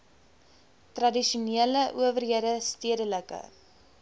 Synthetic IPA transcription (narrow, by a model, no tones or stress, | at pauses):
trɐdiʃuniələʔuəvərɦiədəstiədələkə̰